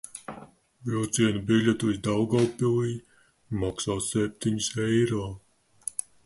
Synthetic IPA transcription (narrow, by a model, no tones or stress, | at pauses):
vilˠt̪siɛnubiʎʲet̪uizd̪awɡawpiliː | maksaːsɛp̚t̪iɲisɛjɾɔː